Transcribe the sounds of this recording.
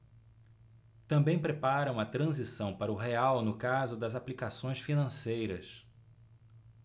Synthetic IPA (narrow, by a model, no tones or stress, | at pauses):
t̪ɐ̃bẽj̃pɾepaɾɐ̃w̃ɐt̪ɾɐ̃zisɐ̃w̃paɾɐʊɦeawnʊkazʊd̪ɐzaplikasõj̃sfinɐ̃sejɾɐs